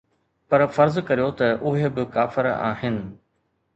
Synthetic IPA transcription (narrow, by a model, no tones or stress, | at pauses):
pɐɾfɐɾzkɐɾijot̪ɐʔʊɦebɪkaːfɪɾa̰ːɦɪnɪ̆